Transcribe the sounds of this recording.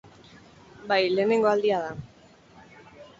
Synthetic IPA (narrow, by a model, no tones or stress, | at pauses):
bajle̞ːne̞ŋɡo̞ald̪iað̞a